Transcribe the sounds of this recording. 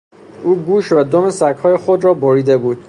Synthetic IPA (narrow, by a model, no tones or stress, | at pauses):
ʔuːɡuːʃvæd̪omesækhɒːjexod̪ɾɒːboɾiːd̪e̞buːd̪̥